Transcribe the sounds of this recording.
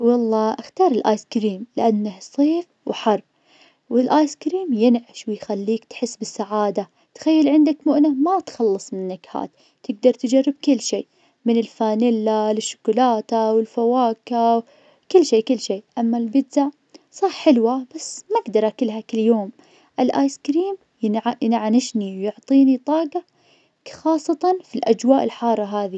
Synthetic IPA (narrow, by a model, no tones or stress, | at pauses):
wɑlˤːɑːʔaxt̪ɑːɾˤɪlʔa̰ːjskɾiːmlɪʔanːahsˤiːf | wħɑrˤb̚ | wɪlʔaːjskɾiːmjɪnʕɪʃwɪjxalːiːkt̪ħɪsːbɪsːaʕaːd̪a | t̪xajːalʕɪnd̪akmʊʔnamat̪xɑlːɨsˤmɪnːakha̰ːt̪ | t̪ːɪɡ̚d̪ɑɾˤt̪d͡ʒarːɪb̚kɪlːʃḭː | mɪnɪlfaːnɪlːalɪʃːʊ̥kʊlaːt̪awɪlfawaːka | kɪlːʃiːkɪlːʃeːʔamːalbɪd̪zaʕ | sˤɑːħħɪlwab̥asːmaɡd̪ɑɾˤʔakɪlɦakɪlːjoːm | ʔɪlʔaːjskɾiːm | jʕajɪnʕanɪʃniwjʊʕt̪ˤiːnit̪ˤɑːɡɑ | xɑːsˤːɑt̪ɑnfilʔad͡ʒwaːʔɪlħɑːrˤːɑɦaːði